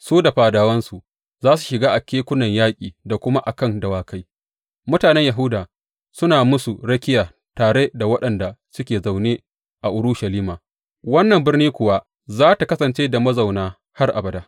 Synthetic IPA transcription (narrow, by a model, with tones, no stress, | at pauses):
suː˦da˨ɸaː˨daː˨wɐ˦nsu˨ | zaː˦s̬u˨ʃɪ˨ɡaː˦ʔa˨kʲeː˦kʷʊ˦nɐ˨ɲjaː˦kʲʼiː˨da˨kʷʊ˦ma˦ʔa˨kɐ˦ndɐ˨waː˨ka˦j | mʊ˦taː˨nɛ˦ɲja˨ɦʊ˦daː˨ | sʊ˦naː˨mʊ˦su˨ɽɐ˦kʲɪ˦jaː˨ | taː˨ɽe˦da˨wɐ˦ɗɐ˨nda˨sʊ˦kʲeː˨za˨wneː˦ | ʔa˨ʔʊ˦ɾʊ˦ʃɐ˨liː˦maː˨ | wɐ˦nːɐ˨mbɪ˦rniː˦kʷʊ˨wa˦ | zaː˦ta˨kɐ˦sɐ˨nt͡ʃeː˦da˨mɐ˦za˨wnaː˦ | ha˦rʔa˨bɐ˨daː˦